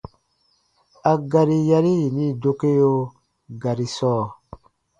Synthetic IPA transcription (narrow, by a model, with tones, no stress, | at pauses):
a˨ɡa˨ɾi˨ja˧ɾi˦ji˨nĩ˦˨do˧ke˦jo˧ | ɡa˨ɾi˨sɔː˦˨